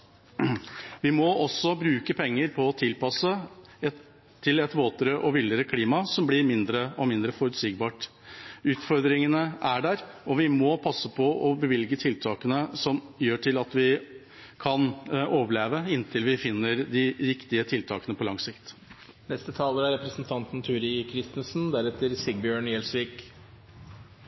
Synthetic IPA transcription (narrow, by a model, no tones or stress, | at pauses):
ʋɪmɔʔɔsːɔbɾʉːkəpʰɛŋːəɾpʰɔːt̪ʰɪlpɑsəɛ | ɪlɛt̪ʋoːt̪ɾəʔɔʋɪləɾəkʰliːmɑsɔmblɪɾmɪnd̪ɾəʔɔmɪnd̪ɾəfɔɾʉt̪siːɡ̚bɑːʈ | ʉːt̪fɔɾd̪ɾɪŋənəæɖæɾɔʋɪmɔpʰɑsːəpʰɔʔɔbəʋɪlɡət̪ʰɪlt̪ʰɑːkənəsɔmjøːʈʰɪlɑt̪ʋɪ | kʰɑnoːʋəɭeːʋəɪnt̪ʰɪlʋɪfɪnːəɾd̪ɪʋɪkt̪ɪət̪ʰɪlt̪ʰɑ̰ːkənəpʰɔlɑŋsɪkt̪ | nɛst̪ət̪ʰɑːləɾæɾɛpɾəsnt̪ʰɑnt̪n̩t̪ʰʉːɾɪkʰɾɪst̪ən̩sn̩d̪æɾɛt̪əɾsɪɡ̚bjøːɳjɛlsʋiːk